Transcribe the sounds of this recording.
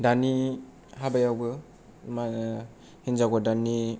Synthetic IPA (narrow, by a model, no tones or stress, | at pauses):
dani | habajawbɯ | ma | hinzaɡɔdani